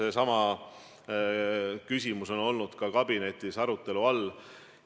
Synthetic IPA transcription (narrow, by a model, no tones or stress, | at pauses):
e̞sɑmɑ | kysʲimuso̞no̞lnud̪̥kɑkɑb̥ine̞t̪ˑːisɑɾut̪ˑːe̞luɑlː